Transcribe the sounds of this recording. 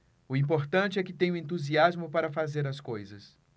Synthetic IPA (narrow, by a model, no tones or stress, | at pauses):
ʊĩpoɾt̪ɐ̃nt͡ʃɪɛkɪt̪ẽj̃ʊ̃ẽnt̪̬uziazmʊpaɾɐfazeɾɐskojzɐs